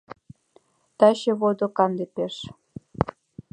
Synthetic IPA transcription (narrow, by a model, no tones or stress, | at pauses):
t̪ɑɕeβod̪okɑnd̪epeʃ